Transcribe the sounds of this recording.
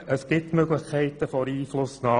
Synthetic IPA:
əsɡ̥ɪtmøɡləχkʰɛɪtəfɔɾiːflʊsnɑː

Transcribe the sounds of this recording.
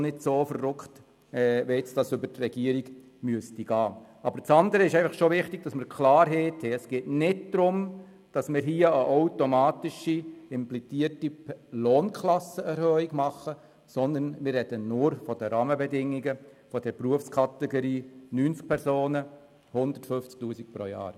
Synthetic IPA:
nɪdsoːfərʊkχt | ɛʋɛt͡sd̥ɑsʏbətrɛɡ̥iəɾiɡ | myəstiɡ̥ɑːʔɑbəɾt͡sɑndəɾəɪʃɛɪfɑχʃovɪχtiɡ̚d̥ɑsməɾkʰlɑːɾɦeːtʰhɛəsɡ̥eːtnɪdd̪̥ɾʊm | d̥ɑsmɪːɾɦiːəəʔaʊtomɑːtɪʃiɪmplit͡siərtiloːnkʰlɑsəɛɾhœːiɡmɑχə | sɔnd̪ənmɪrːɛd̥ənʊɾfɔd̥əɾɑːməbɛdɪŋːiɡəfɔd̥ɛɾpruəfskʰɑt̪ɛɡoɾiːnyːnt͡sk̚pʰɛɾsoːnə | hʊndətfʏft͡sk̚tuːsik̚pɾo̰jɑ̰ːɾ

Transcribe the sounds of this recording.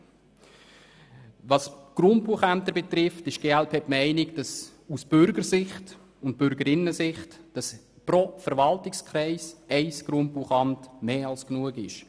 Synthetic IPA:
ʋɑsɡ̥ɾʊndb̥uəχænt̪əɾbet̪ɾɪftɪʃɡ̥eːælpʰeːpmɛɪnɪkd̥ɑs | usb̥ʏɾɡəɾsɪχt | ʊnt̚b̥ʏɾɡəɾɪnːəsɪχtd̥ɑs | pɾɔfəɾʋɑltɪkskχɾɛɪsɛɪsɡ̥ɾʊnt̚b̥uəχɑmtmeːɑlsknuəɡɪʃ

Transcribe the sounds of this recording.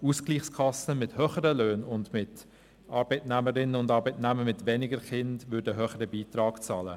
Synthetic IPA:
uːskliːχskʰɑsəmɪthœːχəɾəløːnʊndmɪt | ɑːɾbɛɪtnæməɾɪnəʊndɑːɾbɛɪtnæməɾmɪtʋɛnɪɡəɾχɪndʋʏɾdəɦøːχəɾəbiːtɾɑːɡ̥t͡sɑːlə̰

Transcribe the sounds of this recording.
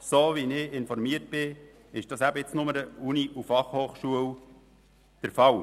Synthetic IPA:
soːʋinɪɪnfɔɾmiəɾt̚b̥ɪ | ɪʃd̥ɑsæbəɪt͡snʊməɾəuniʔufɑχhoːχʃuəw | d̥əɾfɑw

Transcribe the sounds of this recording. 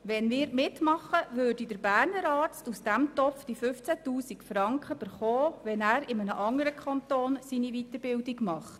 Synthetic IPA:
ʋɛnmɪːɾmɪtmɑχːəʋøːɾdidəɾbæːɾnəɾɑːɾt͡stusd̥æmt̪ɔpfd̥ifʏft͡sætuːsikfɾɑŋkχəb̥əɾχɔːʋɛnæːɾɪmənəʔɑŋəɾəkʰɑnt̪oːnsiniʋit̪əɾb̥ɪldiɡmɑχt

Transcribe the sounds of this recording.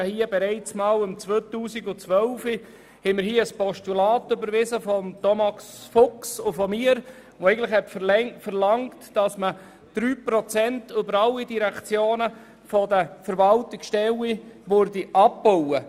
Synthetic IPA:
hiəbɛɾɛɪt͡smɑːlʊmt͡svøt̪uːsiɡʊt͡sʋœlfi | hɛɪmɪɾhiːəəspɔʃtulɑːtʏbəɾʋɪzəfɔmt̪ɔmɑsfʊksʊfɔmiəɾ | ʋoɛɪɡən̩tlɪχhɛtfəlɛŋfəɾlɑŋtd̥ɑsmə | d̪̥ɾyːpɾɔt͡sɛntøbəɾɑlːidiɾækt͡sjoːnə | fɔdəfəɾʋɑltɪksʃtɛwiʋøɾdiʔɑppɔwə

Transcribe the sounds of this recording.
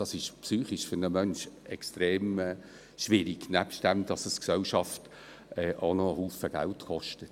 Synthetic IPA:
d̥ɑsɪʃpsyːχɪʃfʏɾnəmœnʃɛkstɾeːmɛ | ʃʋɪɾiɡ̥næpst̚d̥æmd̥ɑsəsksɛlʃɑft | ɛʔonoəhuːfəɡ̥æ̰ltkɔʃtət

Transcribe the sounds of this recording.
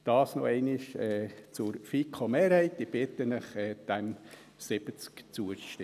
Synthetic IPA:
d̪̥ɑːsno̰ɛɪnɪʃɛt͡sʊɾfikʰomeːɾhɛɪt̪ːib̥ɪt̪ənəχɛd̥ɛm | sɪb̥ət͡skt͡suəʃtɪ

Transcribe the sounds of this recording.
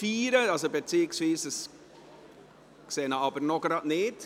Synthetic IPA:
fiːɾəɑlsobet͡siːɪksviːsəs | kseːnəɑbəɾnɔɡ̥ɾɑːdnɪt

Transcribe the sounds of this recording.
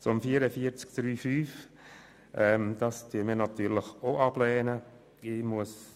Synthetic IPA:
t͡sʊmfiːəɾəfiəɾt͡sk̚d̥ɾyːfyːf | ʔɛmd̥̪ɑstyəmiːnɑt̪yːɾləxoʔɑb̥lɛːnə | ɪmuəs

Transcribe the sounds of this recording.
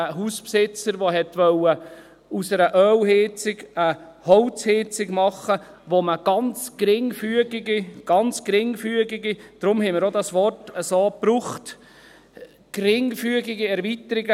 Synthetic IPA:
əɦuːspsɪt͡səɾʋoɦɛtʋœwə | usəɾəʔœːwɦɪt͡sɪɡə | hɔwt͡shɪt͡sɪɡmɑχə | ʋoməɡ̥ɑnt͡skɾɪŋfyəɡiɡiɡ̥ɑnt͡skɾɪŋfyəɡiɡid̥ɾʊmhɛɪmɪɾodɑsʋɔrtəsoːpɾuχt | kɾɪŋfyəɡɪɡiɛɾvit̪əɾiɡə

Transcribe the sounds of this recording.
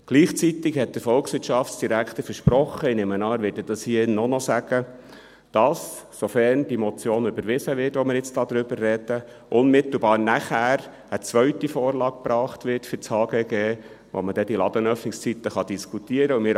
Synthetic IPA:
ɡ̥liːχt͡sit̪ɪkhɛt̚d̥əfɔlksʋɪtʃɑftsd̥iɾækʰt̪əɾfəʃpɾɔχːəɪnemənɑːɾʋɪːdəd̥ɑshiːəɪnːɔnɔsæɡ̥ə | d̥ɑsː | ɔfɛrnd̥imɔt͡sjoːnʏbəɾʋɪsəʋɪrtʋɔmɪɾjɪt͡stɑːd̪ɾʏbərːɛd̥̪ə | ʔʊnmɪt̪l̩bɑːɾnæχæːɾ | ət͡sʋœɥtifoːɾlɑːk̚pɾɑːχtʋɪɾtfʏɾt͡shɑːɡ̥eːɡeː | ʋɔ̰məd̥ɛd̥ilɑd̥̪ənœfnɪkst͡sit̪əχɑd̥iskʰut̪iəɾəʊmɪɾ

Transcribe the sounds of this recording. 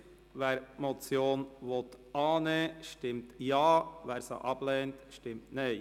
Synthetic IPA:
ʋɛːɾmot͡sjoːnʋot̪ʔɑːneʃtɪmtjɑːvɛːɾsa̰ʔɑb̥lɛːntʃtɪmtneɪ

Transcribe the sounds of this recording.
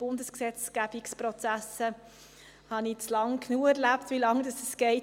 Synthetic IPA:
b̥ʊndəsksɛt͡sɡ̥æb̥ikspɾɔt͡sæsə | hɑnit͡slɑŋkʰnuːəɛɾlæpt̪vilɑŋd̥ɑsɛsɡ̥ɛɪ

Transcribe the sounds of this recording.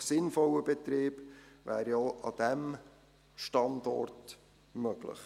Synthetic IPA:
sɪnfɔləbɛt̪ɾiːbvæ̰ːɾioʔɑd̥̪ɛm | ʃtɑndɔ̰rt | møɡ̥lɪ̰χ

